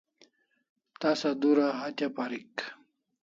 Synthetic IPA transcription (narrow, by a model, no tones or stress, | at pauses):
t̪asad̪uɾaɦat̪apaɾik